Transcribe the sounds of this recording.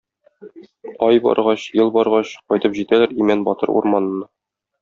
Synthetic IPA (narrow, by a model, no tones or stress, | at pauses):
ɒjbɒ̰ɾʁɑɕjɤlˠbɒɾʁɑɕqɒjt̪ɤpʑit̪ælæɾimænbɒt̪ɤɾṵɾmɑnɤ̆nɤ